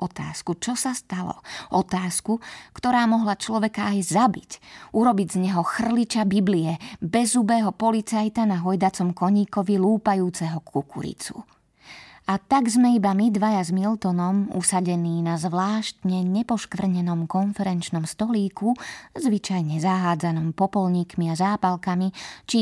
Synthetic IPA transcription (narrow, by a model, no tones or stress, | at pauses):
ɔt̪a̰ːskut͡ʃɔsast̪alɔ̰ʔɔt̪aːskukt̪ɔɾaːmɔɦlat͡ʃlɔʋɛkaːjzabicuɾɔbiɟzɲɛɦɔxr̩lit͡ʃabibliɛbɛzubɛːɦɔpɔlit͡sajt̪anaɦɔjd̪at͡sɔmkɔɲiːkɔʋiluːpajuːt͡sɛɦɔkʰukṵɾḭt͡sṵ | at̪aɡzmɛibamid̪ʋajazmilt̪ɔnɔmṵsaɟɛniːnazʋlaːʃt̪ɲɛɲɛpɔʃkʋr̩ɲɛnɔmkɔnfɛɾɛnt͡ʃnɔmst̪ɔliːkuzʋit͡ʃajɲɛzaɦaːd͡zanɔmpɔpɔlɲiːkmiazaːpalkamit͡ʃi